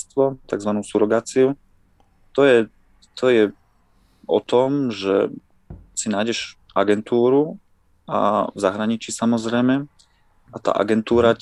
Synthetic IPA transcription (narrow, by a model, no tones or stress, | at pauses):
st̪ʋɔt̪aɡzʋanuːsuɾɔɡaːt͡siu | t̪ɔjɛ | t̪ʰɔjɛ | ɔ̰t̪ɔmʒɛ̰ | sinaːjɟɛʃ | ʔaɡɛnt̪uːɾu | a̰vzaɦɾaɲit͡ʃisamɔzɾɛjmɛ | at̪a̰ːʔa̰ɡɛnt̪uːɾa